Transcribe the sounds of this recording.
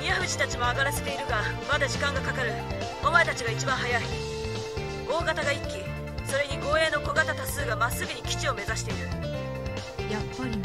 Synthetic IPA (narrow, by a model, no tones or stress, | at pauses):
iaɸɯ̟ʑi̥t̪at͡ɕimo̞aɡaɾase̞̥t̪e̞iɾɯ̟ɡamad̪aʑikãŋɡakakaɾɯ̟ | omaet̪at͡ɕiɡait͡ɕibãɰ̃ɦajai | o̞ːɡat̪aɡaikʲːi | so̞ɾe̞ɲ̟iɡo̞ːe̞ːno̞ko̞ɡat̪at̪asɨːɡamasːɨɡɯ̟ɲ̟ikʲi̥t͡ɕio̞me̞zaɕi̥t̪e̞iɾɯ̟ | japːaɾʲi